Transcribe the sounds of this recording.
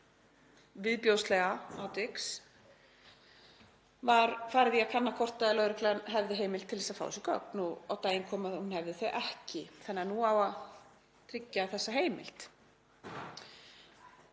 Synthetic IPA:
vɪðpjowst̪lɛɣaawt̪ɪks | vaɾfaːɾɪðiakʰanːakʰɔr̥t̪aɪlœːðɾɪklɛanɦɛvðɪɦeːjmɪlt̪ʰːɪlθɛsaðfa̰wsɪkɔ̰knua̰wt̪aːjɪŋkʰɔːmaðhunhɛvðɪθœʔɛhcɪθɛnːɪanuawað | t̪ʰɾɪcːaθɛsːaɦeːjmɪ̰lt̪

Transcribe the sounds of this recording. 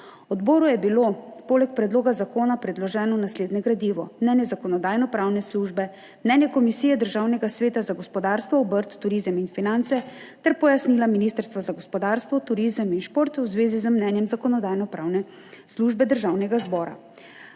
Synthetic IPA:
ɔd̪bɔːɾujɛbilopoːlɛk̚pɾɛd̪loːɡazakoːnapɾɛd̪lɔʒɛːnɔnasleːd̪nɛɡɾad̪iʋɔmnɛːnjɛzakɔnɔd̪aːjnɔpɾawnɛsluʒbɛ | mnɛːnjɛkɔmisiːjɛd̪əɾʒawnɛɡasʋeːt̪azaɡɔspɔd̪aɾst̪ʋɔːbəɾt̪ːuɾiːzəminfinant̪sɛ | t̪ɛɾpɔjasnilaminist̪əɾst̪ʋazaɡɔspɔd̪aɾst̪ʋɔt̪uɾizəminʃpoːɾt̪wzʋeːzizəmnɛnjɛmzakɔnɔd̪aːjnɔpɾaːwnɛ | sluʒbɛd̪əɾʒaːwnɛɡazbɔːɾa̰

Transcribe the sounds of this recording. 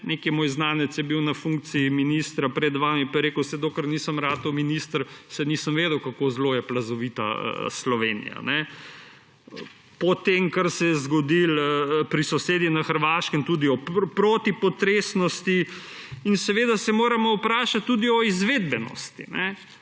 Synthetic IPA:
nekimoːjznaːnɛt̪sjɛbiwnɐfuŋk̚t̪siiminist̪ɾapɾɛd̪ʋaːmipajɾeːkəwsɛd̪oːkəɾniːsəmɾaːt̪ɔwminist̪əɾsɛniːsəmʋeːd̪əwkakozloːjɛplɐzɔʋit̪a̰slɔʋeːnḭja̰nɛ | pɔt̪emkaɾsɛjɛzɡɔd̪iləpɾisɔseːd̪inaxəɾʋaːʃkɛmt̪uːd̪iɔpɾoːt̪ipɔt̪ɾesnɔst̪i | insɛʋeːd̪asɛmoːɾamɔwpɾaːʃat̪ːud̪iɔizʋeːd̪bɛnɔ̰st̪ḭnʔɛ

